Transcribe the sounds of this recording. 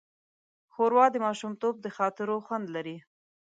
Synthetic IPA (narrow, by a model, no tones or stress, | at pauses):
xoɾwɑd̪əmɑʃumt̪ob̚d̪əxɑt̪ɪɾoxwand̪laɾi